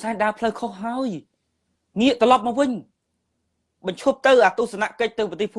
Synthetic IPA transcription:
saːɲɗaəpʰləwkʰohɦaəj | ŋiəʔt̪ɔlɑp̚mɔːwʋɨɲ | ɓɑɲt͡ɕʰop̚t̪ɨwʔaːt̪uːhsanaʔkəc̚t̪ɨwpət̪eːhpʰ

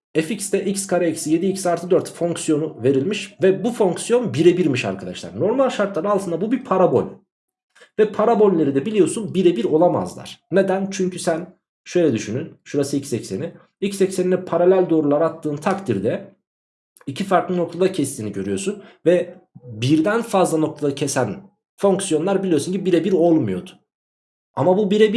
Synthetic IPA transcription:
eficst̪ɛʔicskʰaɾeicsije̞d̪iicsaɾt̪ʰɯd̪øɾt̪fo̞ŋksjo̞nuve̞ɾilʲmiʃvɛbufo̞ŋksjo̞nbiɾebiɾmiʃa̰ɾkʰad̪a̰ʃlˠa̰ɾno̞ɾmalʲʃaɾt̪lˠaɾɯalˠʰɯnd̪abubipʰaɾabo̞̰lʲ | vɛpʰaɾabo̞lʲlʲe̞ɾid̪ɛbilʲijo̞sunbiɾebiɾo̞lˠama̰zlˠa̰ɾ̥ne̞d̪ænt͡ʃʰyɲcʰysæn | ʃø̞jlʲɛd̪yʃynynʃuɾasɯilcsɛcseni | ilcsɛcseninɛpʰaɾalʲælʲd̪o̞ːɾulˠaɾat̪ʰːɯːnt̪ʰakt̪ʰiɾd̪ɛ | icʰifaɾklˠɯno̞k̚t̪ʰad̪acʰɛst̪ʰiːniɟø̞ɾyjo̞sunvɛbiɾd̪ænfazlˠano̞k̚t̪ʰad̪acʰɛsæn | fo̞ŋksjo̞nlˠaɾbilʲijo̞sunɲcʰibiɾɛbiɾo̞lˠmujo̞̰d̪ʊ̥ | a̰mabubiɾɛbi

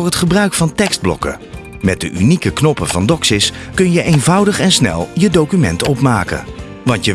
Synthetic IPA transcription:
ɹɦətχəbrœɥkfɑntɛkz̥d̚blɔ̰kə̰ | mɛt̚dəʔynikəknɔpəv̥ɑndɔksɪs | kɵnjəʔejnvʌwdəχɛnsnɛ̰lˠjədowkymɛ̰ntɔpmaːkə̰ | ʋɑntjə

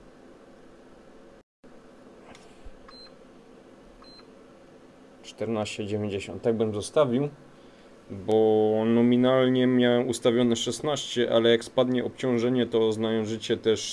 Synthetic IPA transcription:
t͡ʂt̪ɛɾnaɕt͡ɕɛd͡ʑevʲjeɲd͡ʑeɕɔ̰̃nt̪ːaɡ̚bɘmzɔst̪avʲiw | bɔnɔmʲinalɲɛmʲjawɛmust̪avʲjɔnɛʂɛsnaɕt͡ɕɛʔa̰lɛjakspad̪ɲɛʔɔpt͡ɕɔ̃w̃ʐɛɲɛt̪ɔznajɔ̃ʐɘt͡ɕɛt̪ɛʂ

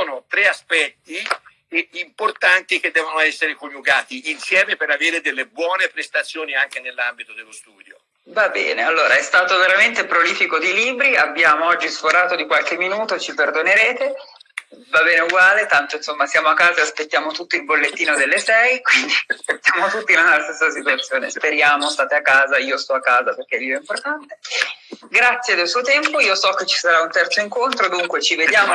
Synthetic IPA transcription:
oːnot̪ɾeaspɛt̪ːi | import̪ant̪ik̟ed̪ːɛːvonoɛsːeɾekonːuɡaːt̪iːnsjɛːmepeɾaveːɾed̪elːebwɔːnepɾest̪at̪sːjoːniaŋk̟enelːambit̪od̪elːost̪uːd̪jo | vabɛ̰ːnealːoːɾaɛst̪aːt̪oveɾament̪epɾoliːfikod̪iliːbɾiabːjaːmoɔd͡ʒːisfoɾaːt̪od̪ikwalk̟emːinuːt̪ot͡ʃiperd̪oneɾeːt̪e | vabɛːneuɡwaːlet̪ant̪oinsomːasjaːmoakːaːzaeaspet̪ːjaːmot̪ut̪ːiilbolːet̪ːiːnod̪elːesɛjkwind̪iaspet̪ːjaːmot̪ut̪ːilanast̪esːasit̪uat̪sːjoːnḛspeɾjaːmost̪aːt̪eakːaːzaiːost̪ɔakːaːzaperk̟eɛluoimport̪ant̪e | ɡɾat̪sːjed̪elsuːot̪ɛmpoiːosɔkːet͡ʃːi̥saɾaunt̪ɛrt̪soiŋkont̪ɾod̪uŋkwet͡ʃived̪jaːmo

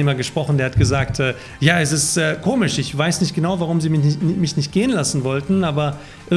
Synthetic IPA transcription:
eːmɐɡəʃpʁ̥ɔχn̩deːɐhatɡ̥əzaːktʰɛː | jaːɛsɪstɛːkʰoːmɪʃɪçv̥aɪsnɪçt̚ɡ̥ənaʊvaʁ̞ʊmziːmɪmɪçnɪçt̚ɡ̥eːənlasn̩vɔltn̩ʔaːbɐ | ʔɪ

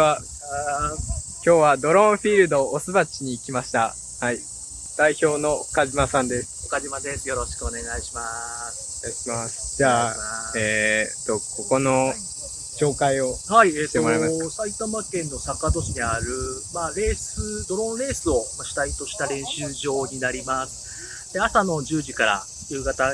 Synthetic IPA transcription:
a | kʲo̞ːβad̪o̞ɾõ̞ɰ̃ɸʲiɾɯ̟d̪o̞ːsɨβat͡ɕiɲ̟iːkʲimaɕi̥t̪a | hai | d̪̥aiço̞ːno̞kaʑimasãnd̪e̞sɨ̥okaʑimad̪e̞sɨjo̞ɾo̞ɕi̥kɯone̞ɡaiɕimas | aiɕimasɨ̥d͡ʑaːeːt̪o̞ko̞ko̞no̞ | ɕo̞ːkaio̞haieːtt̪eomoɾajmasait̪amakẽ̞nːo̞sakad̪o̞ɕiɲiaɾɯ̟maɾe̞ːsɨd̪o̞ɾõ̞ɾe̞ːsɨo̞maɕi̥t̪ait̪o̞ɕi̥t̪aɾẽ̞ɰ̃ɕɨːʑo̞ːɲ̟inaɾʲimasɨ̥ | d̪e̞asano̞d͡ʑɨːʑikaɾa̰ | jɯːɡat̪a

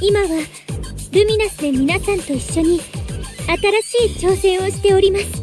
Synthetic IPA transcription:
imaβa | ɾɯ̟mʲinasɨd̪emʲinasãnt̪o̞iɕːo̞ɲ̟iat̪aɾaɕiːt͡ɕo̞ːsẽ̞ɰ̃o̞ɕi̥t̪e̞o̞ɾʲimasɨ̥

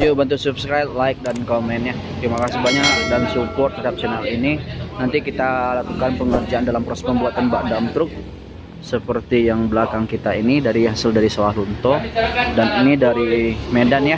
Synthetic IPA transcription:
jubənt̪usupskɾajb̚laɪk̚dankomɛnja | t̪ɾimakasɪhbaɲadansupɔrt̪ət̪ap̚sɛnalininant̪ikit̪alakukanpəŋərd͡ʒaandalampɾɔsməmbuat̪anbaʔdamt̪ɾʊk̚ | səpərt̪ijaŋbəlakaŋkit̪ainidaɾiɦasɪldaɾisaahlunt̪ɔdaninidaɾimedanja

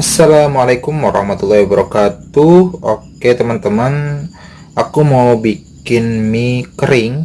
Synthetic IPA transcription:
asːalamalakʊmwaɾɑ̰hmat̪ulːɑhwabəɾɔkat̪uhʔoket̪əmant̪əmən | ʔakumawbikɪnmikəɾɪŋ

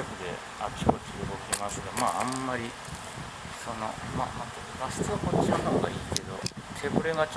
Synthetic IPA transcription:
ɸɯ̟d̪e̞̰ | akʲi̥kot͡ɕiɯɡo̞kʲimasɨɡamaːamːaɾʲi | so̞no̞̰ma̰ːmãt̪ot̪ːɡasɨ̥t͡sɨakot͡ɕːiaɯnooɡa̰iːke̞d̪o̞̰t̪ʰe̞bɯɾe̞ɡat͡ɕ

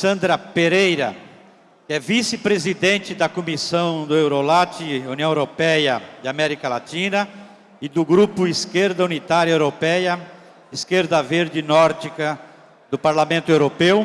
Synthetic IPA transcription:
sɐ̃nd̪ɾɐpeɾejɾɐ̰ | kɪɛvisɪpɾezid̪ẽnt͡ʃɪd̪ɐkomisɐ̃w̃d̪ʊewɾolat͡ʃɪuniɐ̃w̃eɾopɛjɐd͡ʒ̪ɪamɛɾikɐla̰t͡ʃ̪ĩnɐ | ɪd̪ʊɡɾupʊiskeɾd̪ɐunit̪aɾjɐewɾopɛjɐ | iskeɾd̪ɐveɾd͡ʒɪnɔɾd͡ʒikɐ | d̪ʊpaɾlamẽnt̪ʊewɾopew

